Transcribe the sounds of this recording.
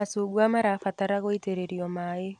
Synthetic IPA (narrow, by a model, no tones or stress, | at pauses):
asoɣwamaɾafataɾaɣoiteɾeɾiɔmae